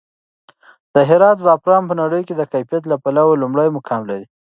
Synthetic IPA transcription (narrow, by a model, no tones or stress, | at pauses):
d̪̥əɦɪɾɑt̪zɑpɾɑmpənaɽəjked̪əkajfijat̪̬lapalawalumɽəjmʊkʰɑmlaɾi